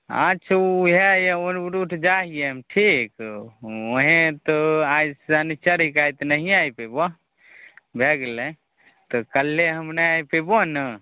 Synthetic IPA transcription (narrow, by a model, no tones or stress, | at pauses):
ə̰ːt͡ʃʰuɦejeonɾuʈʰd͡ʒaɦijemʈʰik | oɦẽt̪ɔajsanit͡ʃəɾikajt̪nəɦiajpebo | bʱeɡlẽ | t̪ɔkəlːeɦəmneajpebonə